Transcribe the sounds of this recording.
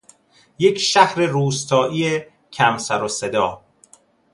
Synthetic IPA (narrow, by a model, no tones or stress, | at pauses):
je̞cʰʃæhɾeɾuːst̪ʰɒːʔiːe | cʰæmsæɾose̞d̪ɒː